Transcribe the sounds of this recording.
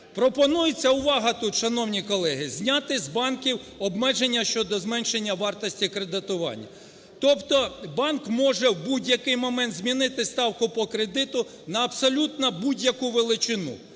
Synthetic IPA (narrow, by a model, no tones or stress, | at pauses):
pɾɔpɔnujɪt͡sʲːɐʊʋɑɦɐt̪ut̪ʃɐnɔwnʲikɔlˠɛɦɪzʲnʲɑt̪ɪzbɑnkʲiwɔbmɛʒenʲːɐʃt͡ʃɔd̪ɔzmɛnʃenʲːɐʋɑrt̪ɔsʲtʲikɾed̪ɪt̪ʊʋɑ̰nʲːɐ̰ | t̪ɔpt̪ɔbɑnkmɔʒɛwbudʲjɐkɪjmɔmɛnt̪zmʲinɪt̪ɪst̪ɑwkʊpɔkɾed̪ɪt̪ʊ | nɐːbsɔlʲut̪nɐbudʲjɐkʊʋelˠɪt͡ʃɪnṵ